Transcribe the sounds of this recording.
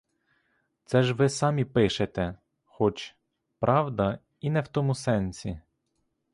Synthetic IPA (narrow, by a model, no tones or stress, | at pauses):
t̪sɛʒʋɪsɑmʲipɪʃet̪ɛ | xɔt͡ʃ | pɾʔɑwd̪ɐ | inɛwt̪ɔmʊsɛnʲsʲi